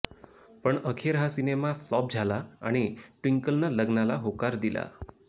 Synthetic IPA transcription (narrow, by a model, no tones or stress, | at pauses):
pəɳəkʰeɾɦasinemaflɔb̚d͡zʱala̰ːɽ̃iʈwiŋkəlnaləɡnalaɦokaɾd̪ila̰